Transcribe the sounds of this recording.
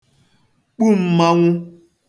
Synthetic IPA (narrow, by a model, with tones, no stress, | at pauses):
k͡pu˦˨m̩˦ma˦ŋʷu˦